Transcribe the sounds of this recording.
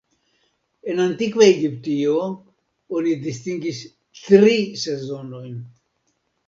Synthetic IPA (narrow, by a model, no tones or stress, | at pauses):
enant̪ikveeɡipt̪io | onid̪ist̪iŋɡis | t̪ɾisezonojn